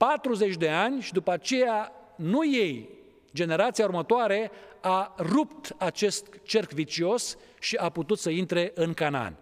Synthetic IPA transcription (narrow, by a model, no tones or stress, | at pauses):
pat̪ɾuze̞t͡ʃʲd̪e̞anʲʃid̪upəat͡ʃe̞januje̞j | d͡ʒe̞ne̞ɾat̪sijaurmət̪oaɾe̞arupt̪at͡ʃe̞st̪t͡ʃe̞rkvit͡ʃio̞s | ʃiʔaput̪ut̪səint̪ɾe̞ʔɨŋkana̰nʲ